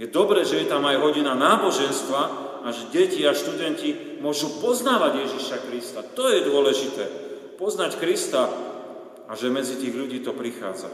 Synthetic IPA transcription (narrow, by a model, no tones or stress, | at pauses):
jɛd̪ɔbɾɛːʒɛjɛt̪amajɦɔɟinanaːbɔʒɛnst̪ʋa | aʒɛɟɛciaʃt̪ud̪ɛnci | mʊɔʒupɔznaːʋaɟjɛʒiʃakɾist̪at̪ɔjɛd̪ʊɔlɛʒit̪ɛː | pɔznackɾist̪a | aʒɛmɛd͡zit̪iːɣʎuɟiːt̪ɔpɾixa̰ːd͡za̰